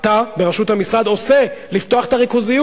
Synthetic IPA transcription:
t̪abeʁaʃut̪hamisʁad̪o̞se̞lift̪oaχet̪aʁikuzij

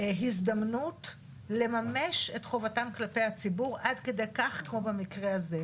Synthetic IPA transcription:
ɦisd̪amnut | le̞mame̞ʃe̞tχo̞vatamklape̞jhat͡sibuʁadke̞dejkaχkmo̞bemikʁeaze

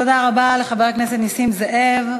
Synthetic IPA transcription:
tod̪aʁabaleχabeʁkneset̪nisimzeʔevv

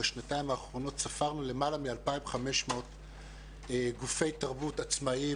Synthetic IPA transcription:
eʃnataimaːχʁo̞no̞tsafaʁnule̞malamialpaimχame̞ʃmot | eɡufe̞jtaʁbutat͡smai

